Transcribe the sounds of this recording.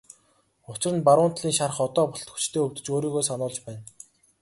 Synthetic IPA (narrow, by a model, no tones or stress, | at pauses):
ʊt͡ɕɪ̆rə̆npaɾʊːn̥t̪ɮiːŋʃaɾə̆χɔt̪ɔːpʊɬt̪xut͡ɕt̪ʰeːɵwt̪ɘ̆t͡ɕoːɾiːɣoːsanʊːɮt͡ɕpæːn